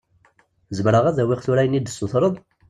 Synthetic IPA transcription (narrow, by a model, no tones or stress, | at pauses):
zəmɾəʁæðæwiʁθuɾæjənid̪əsːoθɾˤəðˤ